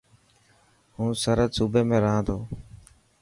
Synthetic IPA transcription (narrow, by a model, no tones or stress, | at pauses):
ɦũːsəɾəd̪suːbeːmẽːɾəɦãːt̪oː